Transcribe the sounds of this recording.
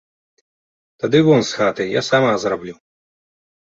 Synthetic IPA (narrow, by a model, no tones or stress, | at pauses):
t̪ad̪ɨvɔnsxat̪ɨjasamazrablʲu